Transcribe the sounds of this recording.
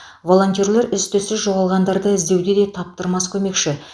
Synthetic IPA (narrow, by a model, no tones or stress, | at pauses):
vo̞lˠo̞nʲt̪ʲjoɾle̞ɾʏst̪esɪzʒo̞ʁɑlˠʁɑnd̪ɑɾd̪əɪzd̪e̞wd̪ed̪e̞t̪ʰɑp̚t̪əɾmɑskʲʰɵme̞kʃɪ